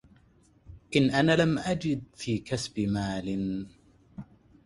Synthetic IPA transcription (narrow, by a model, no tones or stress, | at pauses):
ʔɪnʔanaːlamʔad͡ʒɪd̪̚fiːkasbɪmaːlɪn